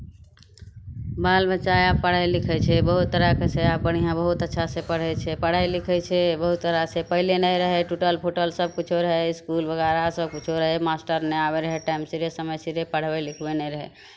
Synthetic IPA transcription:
balbətːʃaapːəɽ̤ajlikʰɛt͡ʃʰɛbəɦut̪ːəɾakesʰeap̚bəɽ̃ijãbəɦut̪ətːʃʰasepəɽ̤ɛt͡ʃʰɛpəɽ̤ajlikʰɛt͡ʃʰɛbəɦut̪ːəɾasepəɦlenəjɾəɦɛʈuʈəlpʰoʈəlsəb̚kut͡ʃʰoɾəɦeiskulbəɡaɾasəb̚kut͡ʃʰoɾəɦemasʈəɾneabeɾəɦeʈaimsiɾesəməjsiɾepəɽ̤bɛlikʰbenəɾəɦɛ

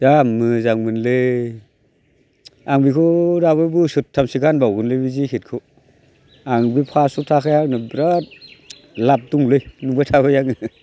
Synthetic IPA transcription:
jamɯzaŋmɯnlɯ | aŋbikʰɯɾaβɯbɯsɯtʰːamsiɡanbawɡɯnlɯjbizikʰit̚kʰɯ | aŋbipʰasutʰakʰajaŋnɯbɾat̚ | lap̚duŋlɯjnuŋbajtʰaβɯjaŋɯ

